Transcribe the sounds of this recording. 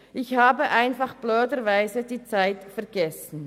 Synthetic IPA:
ʔɪçhaːbəʔaɪnfaχb̥løːdəɾvaɪzəd̥iːt͡saɪtfɛɐɡ̥ɛsn̩

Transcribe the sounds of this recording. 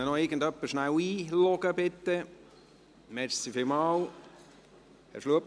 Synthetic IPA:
ənɔɪɾɡən̩dœpːəʃnæwiːlɔɡ̥əbɪt̪ːɛ | mɛɾsifɪlmɑːl | ɛ̰ʃluəp

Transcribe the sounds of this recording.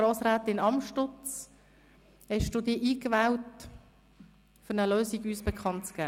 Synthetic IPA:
ɾɔːsɾaːtɪnɑmʃtʊt͡s | hɛʃd̥uːdiːəʔiːkʋæːwt | fʏɾnəløːsiɡyːsbɛkʰɑntt͡sɡ̥æː

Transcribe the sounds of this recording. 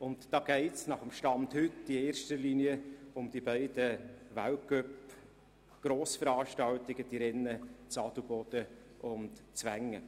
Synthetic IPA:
ʊntd̥ɑːɡ̥ɛɪtsnɑχəmʃtɑndhʏtd̥ieːɾʃtəliːniəʊmd̥ibæɪdəvæwkœp | ɡ̥ɾoːsfəɾɑːʃtɑwtɪɡ̥əd̥iɾɛnːət͡sɑdubɔd̥ə | ʔʊntt͡svæŋə

